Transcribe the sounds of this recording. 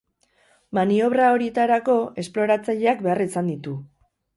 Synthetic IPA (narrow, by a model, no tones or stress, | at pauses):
manio̞β̞ɾao̞ɾje̞t̪aɾako̞e̞splo̞ɾat͡saʎe̞akbe̞arisand̪it̪u